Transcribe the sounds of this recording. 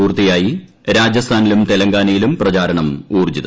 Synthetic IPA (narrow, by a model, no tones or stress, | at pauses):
uːrt̪ijaːji | ɾaːd͡ʑjɐst̪ʰaːnilumt̪elɐŋɡaːnɐjilumprɐt͡ɕaːɾɐɳɐmuːrd͡ʑið